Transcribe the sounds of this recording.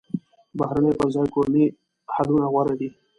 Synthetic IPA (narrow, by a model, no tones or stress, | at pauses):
baɦɾanepəɾzaːjkoɾni | halunaɣwaɾed̪i